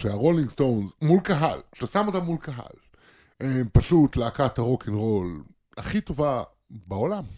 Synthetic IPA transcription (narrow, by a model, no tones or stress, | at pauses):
ʃeaʁoliŋɡst̪o̞wnzmulkaɦa̰lkʃe̥t̪asamotamːulkaɦa̰l | epaʃutleakat̪aʁo̞kʰinʁo̞l | haχito̞va | bao̞lam